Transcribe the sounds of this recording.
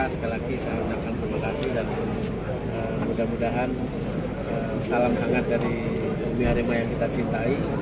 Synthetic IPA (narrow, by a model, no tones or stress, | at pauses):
asə̥kalakisajaməɲakant̪ɾimakasidan | ə | mudahmudaɦan | ə | salamɦaŋat̪̚daɾi | wiɦaɾimajaŋkit̪at͡ʃint̪ai